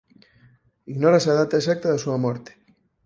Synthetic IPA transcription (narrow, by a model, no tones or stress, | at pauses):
iɣnoɾasaðat̪aes̬ak̚t̪aðasuamoɾt̪e̥